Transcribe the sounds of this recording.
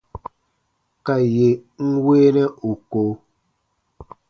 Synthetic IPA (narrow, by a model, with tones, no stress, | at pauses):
ka˨je˨ŋ̩˦weː˦nɛ˦ʔu˨ko˨˦